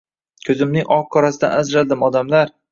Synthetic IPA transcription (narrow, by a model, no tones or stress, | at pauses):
kʲʰɵzɪmnɪŋʔɒʁ̚kʰɒɾasɪd̪a̰nazɾad̪ɪmɒd̪amlaɾ